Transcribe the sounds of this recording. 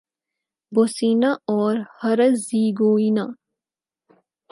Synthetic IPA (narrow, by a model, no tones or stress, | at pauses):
bosinaɔːɾhɐɾəziːɡoːina